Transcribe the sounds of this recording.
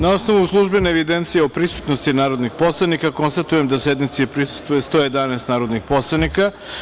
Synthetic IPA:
nao̞sno̞ʋuslˠuʒbeneːʋid̪ent̪sijeopɾisu̥t̪nost̪inaːɾo̞d̪nixpo̞slˠanikako̞nst̪at̪ujemd̪ase̞d̪nit̪siepɾisu̥st̪vujest̪o̞jed̪anest̪naːɾo̞d̪nixpo̞slˠanika

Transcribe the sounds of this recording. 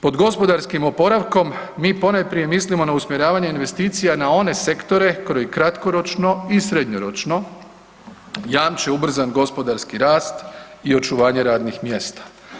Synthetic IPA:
po̞d̪ɡo̞spo̞d̪aɾskimo̞po̞ɾaʋko̞mːiːpo̞najpɾije̞mislimo̞nausmjeɾaːʋaɲeinʋe̞st̪iːt̪sijanao̞ne̞se̞kt̪o̞ɾe̞koɾojikɾat̪ko̞ɾo̞t͡ʃno̞isɾe̞d̪ɲoɾo̞t͡ʃno̞ | jaːmt͡ʃeubr̩zanɡo̞spo̞d̪aɾskiɾaːst̪io̞t͡ʃuʋaːɲe̞ɾaːd̪nixmje̞ːst̪ḁ

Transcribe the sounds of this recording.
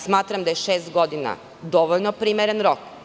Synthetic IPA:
smaːt̪ɾamd̪ajeʃeːst̪ɡo̞d̪ina̰ | d̪o̞ʋoʎnopɾimeɾenɾok

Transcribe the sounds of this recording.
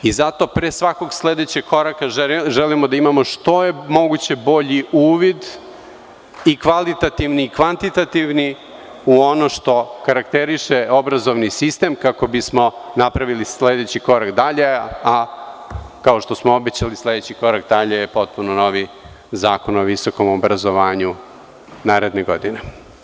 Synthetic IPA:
izat̪o̞pɾesʋako̞ɡsled̪et͡ɕeɡ̚kʰo̞ɾakaʒɛlimod̪aimamo̞ʂt̪o̞jemo̞ɡut͡ɕe̞bo̞ʎiʔuːʋid̪ | ikʋalit̪at̪iʋniːkʋant̪it̪at̪iʋni | uo̞noʃt̪o̞kaɾakt̪eɾiʃeo̞bɾazoʋnisist̪e̞mkako̞bismo̞napɾaʋilisled̪et͡ɕiko̞ɾakd̪aʎe̞a | kaoʃt̪osmoo̞bet͡ɕalisle̞d̪et͡ɕiko̞ɾakd̪aʎejepo̞t̪̚punono̞ʋi | zaːkonoʋiso̞ko̞mobɾazoʋaːɲu | naːɾe̞d̪neɡo̞d̪ine

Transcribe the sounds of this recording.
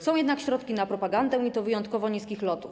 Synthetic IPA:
sɔ̃w̃jɛd̪nakɕɾɔt̪kʲinapɾɔpaɡand̪ɛ̃it̪ɔvɘjɔnt̪kɔvɔɲiskʲixlɔt̪uf

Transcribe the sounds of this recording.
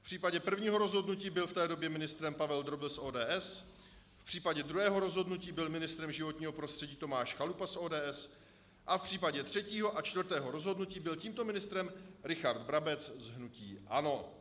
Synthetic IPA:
fpr̥iːpaɟɛpr̩vɲiːɦo̞ɾo̞zɦo̞dnuciːbɪlft̪ɛːdo̞bjɛmɪnɪst̪ɾɛmpavɛld̪ɾobɪlsʔoːdɛːʔɛs | fpr̥iːpaɟɛd̪ɾuɦɛːɦo̞ɾo̞zɦo̞dnuciːbɪlmɪnɪst̪ɾɛmʒɪvo̞t̪ɲiːɦo̞pɾo̞st̪r̝̥ɛɟiːt̪o̞maːʃxalupasʔoːdɛːʔɛs | ʔafpr̥iːpaɟɛt̪r̝̥ɛciːɦo̞ʔat͡ʃt̪vrt̪ɛːɦo̞ɾo̞zɦo̞dnuciːbɪlciːmt̪o̞mɪnɪst̪ɾɛmɾɪxaɾd̪bɾabɛt͡szɦnuciːʔa̰no̞

